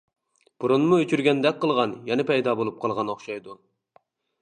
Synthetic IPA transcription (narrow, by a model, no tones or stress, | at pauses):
b̥uɾunmuøt͡ʃʰyɾɡʲɛnd̪ɛk̚ʲqəlˠʁɑnjɛnɪpɛjd̪ɑːbolˠup̚qʰɑlˠʁɑnoχʃɑjd̪u